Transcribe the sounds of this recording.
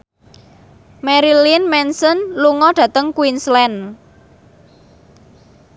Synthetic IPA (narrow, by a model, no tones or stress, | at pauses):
mɛɾilinmɛnsənluŋɔɖ̥ä̤t̪əŋkwinslɛn